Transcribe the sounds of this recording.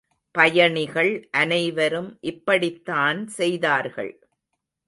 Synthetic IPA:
pɐjɐɳɪɣɐɭʔɐnɐɪʋɐɾɯmʔɪpːɐɽɪt̪ːaːnsɛjðaːɾɣɐ̰ɭ

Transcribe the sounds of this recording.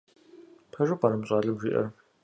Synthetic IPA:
pʰɐʒɨpaːɾɐmɕʼaːɮɐmʒiːʔɐ̰r

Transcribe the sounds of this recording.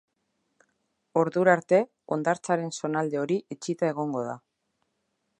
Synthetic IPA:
o̞ɾðuɾaɾt̪e̞ | o̞nd̪aɾt͡saɾe̞nso̞nald̪e̞o̞ɾiʔet͡ʃit̪ae̞ɣ̞o̞ŋɡo̞ða̰

